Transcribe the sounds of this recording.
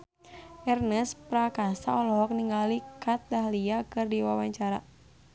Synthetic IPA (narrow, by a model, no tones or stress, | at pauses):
ʔɛrnəspɾakasa̰ɔlɔɦɔk̚niŋalikat̪̚daɦliakɨrdiwawaɲt͡ʃaɾa